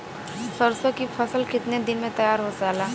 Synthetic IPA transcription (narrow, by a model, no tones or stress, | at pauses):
səɾsokipʰəsəlkɪt̪ned̪ɪnmẽt̪ɐjaːɾɦosaːlaː